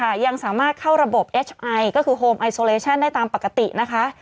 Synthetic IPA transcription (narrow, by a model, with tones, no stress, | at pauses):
kʰa˥˩ja˧ŋsaː˩˦maː˥˩t̪̚kʰa˥˩wɾa˧bo˨˩p̚ʔeː˦˥t͡ɕʰʔa˧jkɔː˥˩kʰɯː˧ɦoː˧mʔa˧jsoː˧leː˧t͡ɕʰa˥˩nda˥˩jt̪aː˧mpa˨˩kːa˧t̪i˨˩ʔna˦˥kʰa˦˥ʔ